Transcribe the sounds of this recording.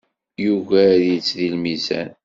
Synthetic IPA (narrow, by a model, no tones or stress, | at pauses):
juɣæɾjət͡sːðilmizæ̰n